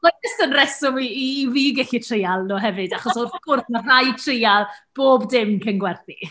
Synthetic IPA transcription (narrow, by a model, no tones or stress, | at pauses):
lɔɛstənrɛsʊmiiviːɡɛɬitʰrejalˠnoːɦɛvɨdaχɔsɔrkʊrθmarajtʰrejalˠb̥oːbdɪmkʰənɡwɛrθi